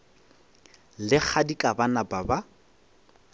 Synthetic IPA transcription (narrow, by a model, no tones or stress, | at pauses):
lɪk͡xʰadikʼabanababa